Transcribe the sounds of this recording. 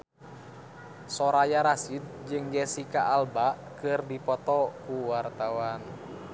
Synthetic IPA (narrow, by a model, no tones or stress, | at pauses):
sɔɾajaɾasid̪̚d͡ʒɨŋd͡ʒɛsikaʔːlbaʔkɨrdipɔt̪ɔkuwart̪awan